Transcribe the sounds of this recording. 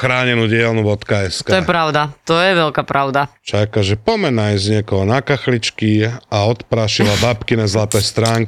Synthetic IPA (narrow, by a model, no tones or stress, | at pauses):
xɾaːɲɛnuːɟɪɛlnuʋɔt̪kaɛskaɔjɛpɾaʊd̪at̪ɔjɛʋɛlkapɾaʊd̪at͡ʃakaʒɛpɔmɛnajzɲɪɛkɔɦɔnakaxlit͡ʃkiaɔt̪pɾaʃilabapkinɛzlat̪ɛːst̪ɾaːŋk